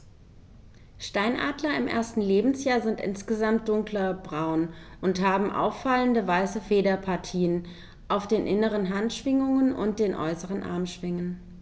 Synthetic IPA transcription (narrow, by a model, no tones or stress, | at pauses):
ʃtaɪnʔa̰ːdlɐɪmʔḛːɐstn̩leːbm̩sjaːɐzɪntʔɪ̰nsɡ̥əzamt̚d̥ʊŋklɐb̥ʁaʊnʔʊnthaːbm̩ʔa̰ʊfːaləndəvaɪsəfeːdɐpʰaɐtʰiːən | ʔaʊfd̥eːnʔɪnəʁ̞ənɦantʃv̥ɪŋʊŋənʔʊ̰nt̚d̥eːnʔɔ̰ʏsəʁənʔa̰ɐmʃv̥ɪŋən